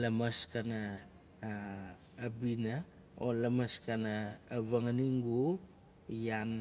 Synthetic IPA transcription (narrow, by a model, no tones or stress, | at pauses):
lamaskana | bina | olamaskanaːβaŋaniŋɡu | jan